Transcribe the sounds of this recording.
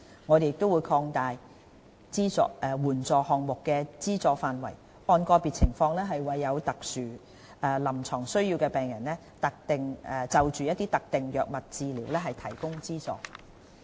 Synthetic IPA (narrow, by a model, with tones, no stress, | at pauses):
ŋɔː˨˧d̪e˨jɪ˨k̚t̪o˥wu˨˧jkʰɔː˧ŋt̪aː˨j | t͡siː˥t͡sɔ̰ː˧ɛ˧wuː˨˩nt͡sɔː˨˧hɔː˨ŋmʊ˨kːɛː˧t͡siː˥t͡sɔː˧faː˨nwɐ̰˨˩j | ʔɔː˨˧nkɔː˧pi˨t̚t͡sʰɪ˨˩ŋfɔː˧ŋlɛː˥ɦɐ˨jwɐ˨jːɐ˨˧wt̪ɐ˨k̚syː˨ | ɛː˧lɐ˨˩mt͡ʃʰɔː˨˩ŋsɵ˥ɥjiː˧wkɛː˧pɛː˨˩ŋjɐ˨˩nlɛː˥ | t̪ɐ˨k̚t̪ɪ˨˩ŋɛ˧t͡sɐ˨˧wt͡ʃyː˨jɐ˥t̚t̪ːiː˥t̪ɐ˨k̚t̪ɪ˨ŋjœː˨k̚mɐ˨t̚t͡siː˧liː˨˩wlɛː˥ɦɐ˨jt̪ʰɐ˨˩jkʊ˥ŋt͡siː˥t͡sɔ̰ː˨˥k